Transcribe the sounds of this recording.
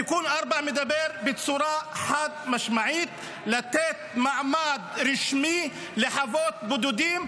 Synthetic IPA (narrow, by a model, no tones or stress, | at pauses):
jakuːnʔɑɾˤbaʕmɪd̪abeɾbɪt͡sˤuɾɑħad̪̚maʃmaʕiːt̪ | lat̪eːt̪̚maʕmad̪ɾɪʃmi | lɪħavoːt̪̚bʊd̪ud̪iːm